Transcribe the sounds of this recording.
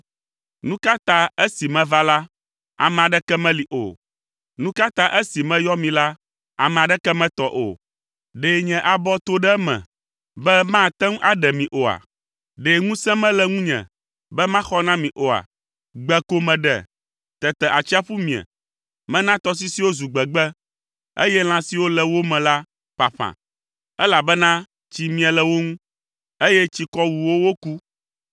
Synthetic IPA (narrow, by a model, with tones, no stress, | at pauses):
nũ˦ka˦t̪ã˦ɛ˦si˨mɛ̃˦va˦la˦ | a̰˨mɛ̃˨a˨ɖɛ˦kɛ˦mɛ̃˦li˨ʔo̰˨ | nũ˦ka˦t̪ã˦ʔe˦si˨mɛ̃˦jɔ˦mĩ˨la˦ | a̰˨mɛ̃˨a˨ɖɛ˦kɛ˦mɛ̃˦t̪ɔ˨ʔo̰˨ | ɖeː˨ɲɛ̃˨ʔa˨bɔ˦t̪o˦ɖɛ˦mɛ̰̃˨ | bɛ˦mã˦˨t̪ɛ˦ŋ˦ʔa˨ɖɛ˨mĩ˨ʔo˨a̰˨ | ɖe˨ŋũ˦sɛ̃˦mɛ̃˦lɛ˦ŋũ˦ɲɛ̰̃˨ | bɛ˦mã˦xɔ˦nã˦mĩ˨ʔo˨a̰˨ | ɡ͡bɛ˨ko˦mɛ̃˨ɖɛ̰˨ | t̪ɛ˨t̪ɛ˨ʔa˨t͡ɕi˦a˦ɸu˦mĩ˨ɛ̰˨ | mɛ̃˦nã˦t̪ɔ˦s̬i˦si˨wo˦zu˨ɡ͡bɛ˨ɡ͡bɛ˦ | ḛ˦jɛ˦l̃ã˦si˨wo˦lɛ˨wo˦mɛ̃˨la˦ | ɸa˨ɸã̰˨ | ɛ˦la˨bɛ˦nã˦ | t͡ɕi˨mĩ˨ɛ˨lɛ˨wo˦ŋũ˦ | e˦jɛ˦t͡ɕi˦kɔ˦wu˨wo˦wo˦ku˦